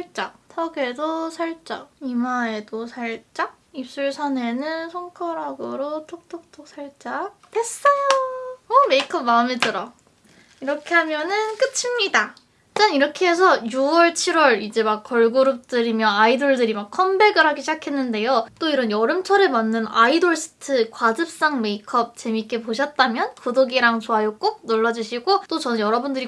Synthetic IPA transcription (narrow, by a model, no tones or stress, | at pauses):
ɭt͡ɕ͈atʰʌɡe̞dosʰaɭt͡ɕ͈aimae̞dosʰaɭt͡ɕ͈a | ip̚s͈uɭsʰane̞nɯnsʰoŋkʰʌɾaɡɯɾotʰok̚tʰok̚tʰok̚s͈ʰaɭt͡ɕ͈ate̞s͈ʌjoʌme̞ikʰʌmaɯmetɯɾa | iɾʌkʰe̞ɦamjʌnɯnk͈ɯt͡ɕʰimɲida | t͡ɕ͈anniɾʌkʰeɦesʰʌjuwʌɭt͡ɕʰiɾwʌɾid͡ʑe̞mak͈ːʌɭɡuɾup̚t͈ɯɾimjʌnaidoɭdɯɾimakʰʌmbe̞ɡɯɾɦaɡeɕʰid͡ʑakʰe̞nːɯnde̞jot͈oiɾʌnjʌɾɯmt͡ɕʰʌɾɯɭmanːɯnaidoɭs͈ɯ̥tʰɯkwad͡ʑɯp̚s͈aŋme̞ikʰʌp̚t͡ɕe̞mik͈e̞poɕʰʌt̚t͈amjʌnkodoɡiɾaŋt͡ɕoɦajok͈ok̚noɭːʌd͡ʑuɕʰiɡot͈ot͡ɕʌnɯnjʌɾʌbundɯɾi